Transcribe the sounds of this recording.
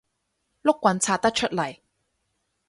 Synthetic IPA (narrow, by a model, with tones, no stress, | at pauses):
lʊ˥kːwɐ˨˥nt͡sʰaː˧t̪̚ɐ˥k̚t͡ʃʰɵ˥t̚lɐ˨˩j